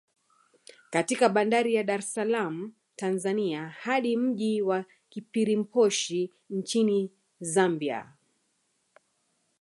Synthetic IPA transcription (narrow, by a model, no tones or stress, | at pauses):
katikaɓandaɾijaɗaɾɛsalamu | tanzaniahaɗim̩ʄiwa | kipiɾim̩pɔʃi | nt͡ʃini | zambia̰